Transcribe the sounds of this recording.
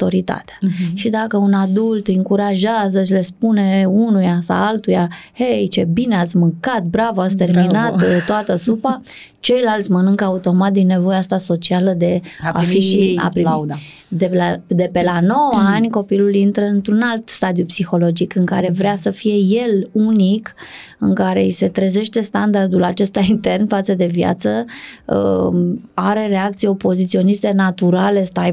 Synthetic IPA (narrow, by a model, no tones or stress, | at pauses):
t̪o̞ɾit̪a̰t̪eḁʃid̪akəunad̪ult̪ɨŋkuɾaʒazət͡ʃle̞spune̞unujasa̰alt̪uja | hejt͡ʃebineat̪sʲmɨŋkat̪̚bɾavat̪sʲt̪e̞rminatt̪t̪oat̪əsupa | t͡ʃe̞jlalt̪sʲmənɨŋkəaut̪o̞mat̪̚d̪inːe̞vo̞jeast̪aso̞t͡ʃialəd̪e̞aia̰pɾia | d̪ed̪e̞pe̞lano̞wanʲko̞pilulint̪ɾəɨnt̪ɾunalt̪st̪ad̪jupsixo̞lo̞d͡ʒikɨŋkaɾe̞vɾeasəfije̞je̞lunik | ɨŋkaɾe̞̰ise̞t̪ɾeze̞ʃt̪e̞st̪and̪ard̪ulat͡ʃe̞st̪aint̪e̞rnfat̪səd̪e̞vja̰t̪səə | aɾe̞ɾe̞ak̚t̪sijeopo̞zit̪sio̞nist̪e̞nat̪uɾale̞st̪aj